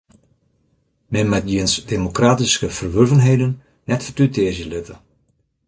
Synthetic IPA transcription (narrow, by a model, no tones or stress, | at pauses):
mɛnmɛt̚jiənsdemokraːtiskəvərʋørvənɦejdən | nɛtfətytɪːzjəlɪtə